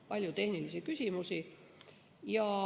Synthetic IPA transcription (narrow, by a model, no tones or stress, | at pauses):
pɑlʲjut̪e̞hnilisikysʲimusi | jɑ